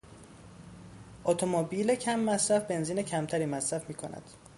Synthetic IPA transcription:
ʔot̪ʰomobiːlecʰæmːæsɾæfbe̞nziːnecʰæmt̪ʰæɾiːmæsɾæfmiːkʰo̰næ̰d̪̥

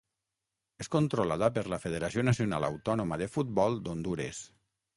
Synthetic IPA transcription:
eskont̪ɾolaðəpəɾləfeð̞eɾasionasijona̰la̰wt̪ɔnoməðefut̪̚bɔlˠd̪ond̪uɾḛs

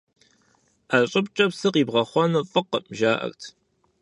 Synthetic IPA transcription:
ʔaɕʼɪpt͡ʃʼɐpsɨqiːbʁɐχʷɔnɨfʼɨqːəmʒaːʔɐ̰rtʰ

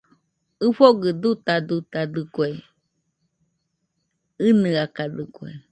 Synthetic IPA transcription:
ɨfoɡɨd̪ut̪ad̪ut̪ad̪ɨkwe | ɨnɨakad̪ɨkwḛ

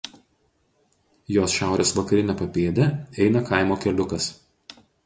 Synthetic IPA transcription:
joːsʃʲæˑʊɾʲeːsʋɐkɐɾʲɪnʲɛpɐpʲeːd̪ʲɛɛɪnɐkɐˑɪmoːkʲɛlʲʊkɐs

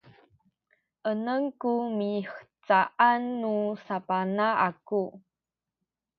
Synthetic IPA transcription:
ʔənəŋkumixə̥t͡saʔanːusapanaʔaku

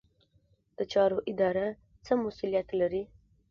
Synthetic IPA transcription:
d̪̥ət͡ʃɑɾoʔɪd̪ɑɾa | t͡səmʊsulijat̪laɾi

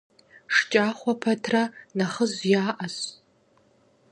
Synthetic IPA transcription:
ʂt͡ʃʼaːχʷɔpʰɐtʰranaχəzjaːʔɐs

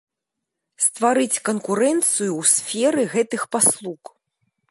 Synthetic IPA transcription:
st̪vaɾɨt͡sʲkɐnkuɾɛnt̪sɨjuwsʲfʲɛɾɨɣɛt̪ɨxpaslˠuk

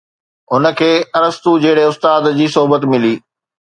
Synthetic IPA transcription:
ɦʊnə̆kʰeːɐɾəst̪ud͡ʑɐɦɪɽeʊst̪aːd̪d͡ʑiːsoɦubət̪mɪliː

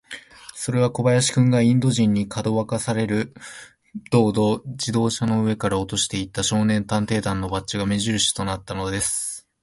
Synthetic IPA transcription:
so̞ɾe̞βako̞bajaɕi̥kɯ̟̃ŋɡaĩnd̪o̞ʑĩɲ̟ːikʰad̪o̞βakasaɾe̞ɾɯ̟ | d̪̥o̞ːd̪o̞d͡ʑid̪o̞ːɕano̞ɯ̟e̞kaɾao̞t̪o̞ɕi̥t̪e̞it̪ːaɕo̞ːnẽ̞nt̪ãnt̪e̞ːd̪ãnːo̞bat͡ɕiɡame̞ʑiɾɯ̟ɕi̥t̪o̞nat̪ːano̞d̪e̞sɨ̥

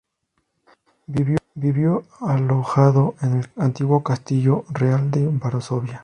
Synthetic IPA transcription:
biβjobiβjoaloxaðo̞ʔenelant̪iɣwo̞kast̪iʝo̞reald̪eβaɾosoβja

